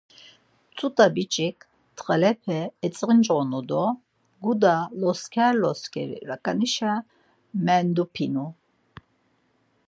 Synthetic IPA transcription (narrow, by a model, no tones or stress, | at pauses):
t͡sʼut̪ʼabit͡ʃʼikʰ | t̪ʰχɛlɛpʰɛɛt͡sʼʁind͡ʒʁɔnud̪ɔ | ɡud̪alɔskʰaɾlɔskʰɛ̰ɾḭɾakʼaniʃa | mɛnd̪upʰinu